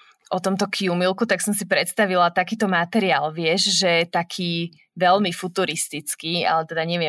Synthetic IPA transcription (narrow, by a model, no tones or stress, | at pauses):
ʔɔt̪ɔmt̪ɔkʰiumilkut̪aksɔmsipɾɛt̪st̪aʋilat̪akiːt̪ɔmat̪ɛɾiaːlʋɪɛʃʒɛt̪akʰiː | ʋɛʎmifut̪uɾist̪it͡skiːa̰lɛt̪ɛd̪aɲɛʋɪɛ